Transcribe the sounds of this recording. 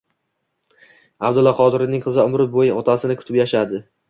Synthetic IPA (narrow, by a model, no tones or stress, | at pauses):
abd̪ʊlːɒqʰɒd̪ɪɾɪnɪŋqʰɨzɪʊmɾɪbojɪɒt̪ʰasɪnɪkʰʊ̥t̪ʰɪpjaʃad̪ɪ